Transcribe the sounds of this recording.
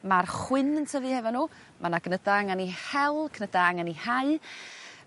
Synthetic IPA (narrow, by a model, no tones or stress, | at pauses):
marχwɪnəntʰəvɨːhɛvɔnːuː | manaɡnədaaŋanihɛlˠkʰnədaaŋanihaɨ